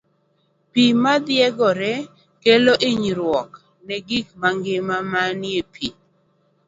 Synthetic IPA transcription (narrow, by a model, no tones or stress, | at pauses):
pimad̪jɛɡɔɾɛ | keloʔɪɲɾwɔk | nɛɡikmaŋɡɪmamanjepʰi